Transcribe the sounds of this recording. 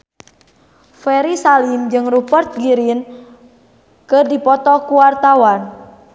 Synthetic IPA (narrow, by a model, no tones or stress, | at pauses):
fɛɾisalimd͡ʒɨŋrupərt̪̚ɡiɾin | kɨrdipɔt̪ɔkuwart̪awan